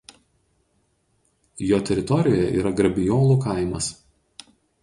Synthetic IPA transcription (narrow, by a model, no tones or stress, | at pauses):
joːt̪ʲɛɾʲɪt̪ɔɾʲɪjoːjɛʔḭːɾɐɡɾɐbʲɪjoːlˠuːkɐˑɪmɐs